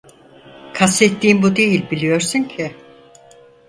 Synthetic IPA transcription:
kʰaset̪ʰːiːmbud̪e̞jilʲbilʲijo̞ɾsuɲcʰɪ

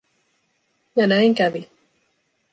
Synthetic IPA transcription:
jɑnæiŋkæʋi

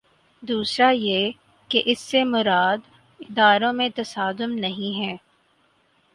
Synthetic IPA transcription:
d̪uːsɾaje | keʔɪsːemʊɾaːd̪ | ɪd̪aːɾõmẽt̪ɐsaːd̪ʊmnɐɦĩɦɛ̃ː

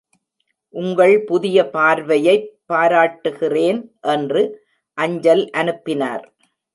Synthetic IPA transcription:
ʔʊŋɡɐɭpʊðɪjɐpaːɾʋɐjɐɪpːaːɾaːʈːɯɣɪreːnʔɛndrɯ | ʔɐɲd͡ʒɐlʔɐnɯpːɪna̰ːɾ

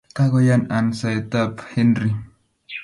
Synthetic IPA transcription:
kaɡojanansajt̪aphɛnɾi

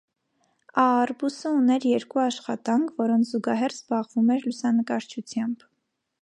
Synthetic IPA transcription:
ɑːrbusəunɛɾjɛɾkuɑʃχɑt̪ɑŋkʰvɔɾɔnt͡sʰzuɡɑɦɛrzbɑʁvumɛɾlusɑnəkɑɾt͡ʃʰut͡sʰjɑmb̥

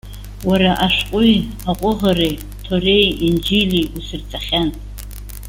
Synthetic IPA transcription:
waɾaʔaʂqʷʼʊj | aqʷʼʊʁarej | tʰorejind͡ʒiliusɨrt͡sʼaχʲanʼ

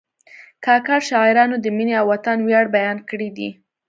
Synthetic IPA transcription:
kɑkaɾʃɑɪɾɑnod̪əmineawːat̪anwjɑɽbajɑnkəɽid̪ḭ

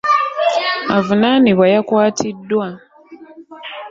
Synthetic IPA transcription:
avunaniβwajakwaːtʰidːwa

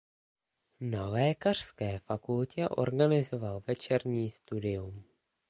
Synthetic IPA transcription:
nalɛːkar̝̥skɛːfakulcɛʔo̞̰ɾɡanɪzo̞valvɛt͡ʃɛɾɲiːst̪udɪjum

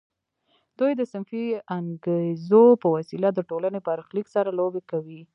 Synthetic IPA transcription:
d̪ujd̪əsɪnfiaŋɡezopəwasilad̪əʈolanepəaɾxliksaɾalobekawi

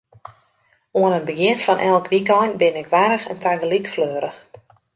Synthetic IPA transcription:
uənənbəɡjɪnfɔnʔɛlˠkʋikɔjnbɪnɪkʋaɾəxəntʰaɡəlikfløːɾəx

